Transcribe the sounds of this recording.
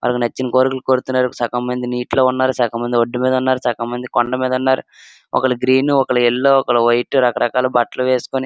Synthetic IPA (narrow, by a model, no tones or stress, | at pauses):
mʔɐ̰lɐkɐnɐt͡ʃːinɐkoːɾikulukoːɾut̪unːaːɾut͡ʃɐːkɐmɐnd̪iniːʈlo̞ːunːaːɾut͡ʃaːkɐmɐnd̪ioɖːimiːd̪ɐunːaːɾut͡ʃaːkɐmɐnd̪ikoɳɖɐmiːd̪ɐunːaːɾṵ | ɔ̰kɐɭɐɡɾiːnuɔkɐɭɐilːoːɔkɐɭɐʋɐjʈuɾɐkɐɾɐkaːlubɐʈːɐluʋeːsu̥koni